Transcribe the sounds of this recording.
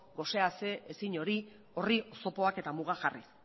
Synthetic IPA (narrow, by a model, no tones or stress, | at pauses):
ɡo̞se̞ase̞esiɲo̞ɾi | o̞rioso̞po̞ake̞t̪amuɣaxarḭ